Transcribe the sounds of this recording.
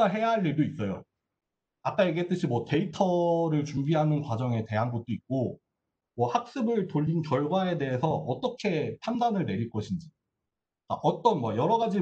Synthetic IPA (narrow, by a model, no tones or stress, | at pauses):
aɦe̞jaɦaʎːiɭdois͈ʌjo̰ | ak͈aeɡe̞t͈ɯɕʰimwʌte̞itʰʌɾɯɭt͡ɕumbiɦanɯnkwad͡ʑʌŋe̞te̞ɦanɡot̚t͈oik̚k͈o | mwʌhak̚s͈ɯbɯɭtoʎːinkjʌɭɡwae̞de̞ɦesʰʌʌt͈ʌkʰe̞pʰandanɯɭne̞ɾiɭk͈ʌɕʰind͡ʑi | k͈a̰ʔʌt͈ʌnmwʌjʌɾʌɡad͡ʑi